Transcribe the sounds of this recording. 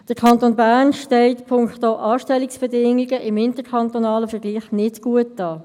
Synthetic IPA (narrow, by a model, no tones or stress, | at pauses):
d̥əkʰɑntoːnbæʁnʃtɛltpʰʊŋktoʔɑːʃtɛlɪksb̥ɛdɪŋɪɡəʔɪmɪntəkʰɑntonɑːləfəɡliːχnɪtɡ̥uət̚d̥ɑː